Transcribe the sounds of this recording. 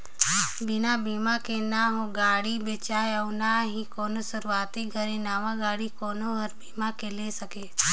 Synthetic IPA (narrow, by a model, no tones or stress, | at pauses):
bɪnabiːmakenaɦoɡaːɽibet͡ʃaːeɐʊnaɦikoːnosɐɾuaːt̪iɡʱɐɾinaːmãɡaːɽikoːnoɦɐɾbiːmakelesɐkeː